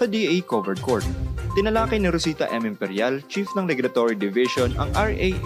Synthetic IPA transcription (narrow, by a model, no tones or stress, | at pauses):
sɐd̪iʔejkovɛɹd̪̚koɹt̪̚t̪ɪnɐlaːkɪnɪɾʊsiːt̪ɐ̰ʔɛmɪmpɛɾjalt͡ʃifnɐŋɾɛɡɾɐt̪oɹid̪ɪvɪʃonɐ̰ŋʔaɹʔej